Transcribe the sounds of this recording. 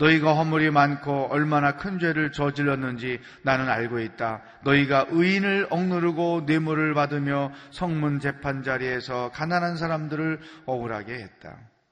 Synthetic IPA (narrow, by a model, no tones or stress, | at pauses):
nʌiɡaɦʌmuɾimankʰoʌɭmanakʰɯnd͡ʑwe̞ɾɯɭt͡ɕʌd͡ʑiɭːʌnːɯnd͡ʑi | nanɯnaɭɡoit̚t͈a | nʌiɡaʔɯinɯɭʌŋnɯɾɯɡone̞muɾɯɭpadɯmjʌsʰʌŋmund͡ʑe̞pʰand͡ʑaɾie̞sʰʌkananɦans̬ʰaɾamdɯɾɯɭʌɡɯɾɦaɡe̞ɦe̞t̚t͈a̰